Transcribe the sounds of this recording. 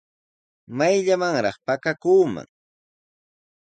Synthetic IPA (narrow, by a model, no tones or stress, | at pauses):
majʎamaŋɾɑχpakakuːma̰ŋ